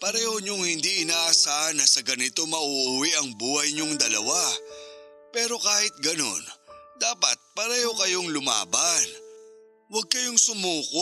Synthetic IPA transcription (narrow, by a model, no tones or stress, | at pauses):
pɐɾɛːhoɲoŋhɪnd̪iʔɪnaːʔɐsaːhɐnɐsɐɡɐnɪt̪o̞mɐʔuʔʊwiʔɐŋbuːhɐjɲoŋd̪ɐlɐ̰wa | pɛːɾo̞kaːhɪt̪̚ɡɐno̞̰nd̪aːpɐt̪̚pɐɾɛːho̞kɐjo̞ŋlʊma̰ːbɐn | wɐɡ̚kɐjo̞ŋsʊmuːko